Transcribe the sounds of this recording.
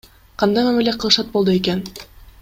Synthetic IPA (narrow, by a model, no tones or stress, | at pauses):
qʰɑnd̪ɑjmæmileqʰɯlˠɯʃɑt̪̚bo̞lˠd̪ueken